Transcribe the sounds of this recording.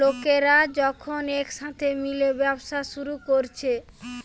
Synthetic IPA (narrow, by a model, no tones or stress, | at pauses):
okeɾad͡ʑɔkʰonekʃat̪ʰemilebɛbʃaʃuɾukoɾt͡ɕʰe